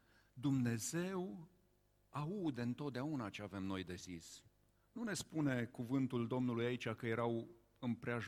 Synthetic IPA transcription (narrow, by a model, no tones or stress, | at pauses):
d̪umne̞ze̞w | aud̪ɨnt̪o̞t̪̚d̪eaunat͡ʃe̞ave̞mno̞jd̪e̞zis | nune̞spune̞kuvɨnt̪uld̪o̞mnulujait͡ʃʲakəje̞ɾaw | ɨmpɾea